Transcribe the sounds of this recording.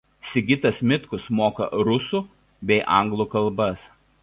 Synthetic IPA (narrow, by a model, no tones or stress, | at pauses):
sʲɪɡʲɪt̪ɐsmʲɪt̪kʊsmoːkɐ̰ɾʊsuˑ | bʲɛɪʔɐ̰ˑŋɡlˠukɐlˠˑbɐs